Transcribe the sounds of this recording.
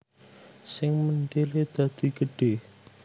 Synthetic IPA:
sɪŋmənɖeled̪̥a̤d̪̥i̤ɡəɖ̥eh

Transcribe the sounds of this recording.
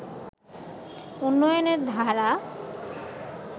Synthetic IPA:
unːɔjoneɾd̪ʱaɾa

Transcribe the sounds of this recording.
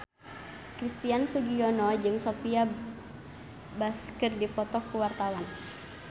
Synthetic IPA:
kɾist̪ianfuɡiɔnɔd͡ʒɨŋsofia | baskərdipɔt̪ɔkuwart̪awan

